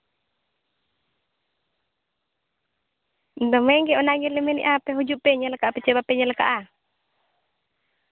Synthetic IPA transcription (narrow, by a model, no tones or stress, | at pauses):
nd̪ɔmɛŋɡɛɔnaɡɛlɛmɛnḭʔapɛɦud͡ʒupɛɲalakaʔapɛt͡ʃɛbapɛɲalakaʔa